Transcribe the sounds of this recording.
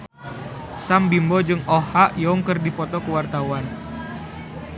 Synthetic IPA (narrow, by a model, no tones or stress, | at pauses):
sambimbɔd͡ʒɨŋɔhaʔjɔŋkərdipɔt̪ɔkəwart̪awan